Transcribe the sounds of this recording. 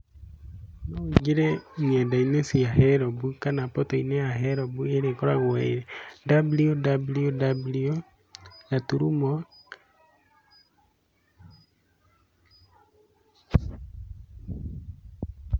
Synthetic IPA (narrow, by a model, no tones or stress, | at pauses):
noiɡeɾɛɲɛdainesiaɦɛɾɔβukanapɔtoineaɦɛɾɔβueɾekɔɾaɣwɛiɾedabliodabliodablio | jatuɾumɔ